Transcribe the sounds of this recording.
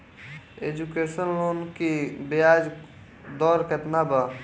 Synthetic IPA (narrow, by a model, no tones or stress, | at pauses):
ed͡ʒukeːʃənloːnkibejaːd͡ʒ | d̪ɔːɾket̪nabə